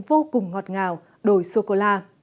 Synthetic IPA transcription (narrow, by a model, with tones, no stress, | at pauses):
vo˧kʊ˨˩ŋ͡mŋɔ˨˩t̚ŋaː˨˩w | ɗo˧˩jso˧ko˧laː˧